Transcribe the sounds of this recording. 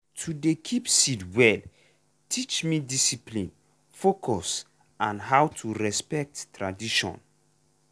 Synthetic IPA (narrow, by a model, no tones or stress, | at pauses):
tʰudekʰipsidwɛl | tʰit͡ʃmidisiplĩn | fokʰɔs | ãnɦawtʰuɹɛspɛk̚tːɹadiʃɔ̰̃n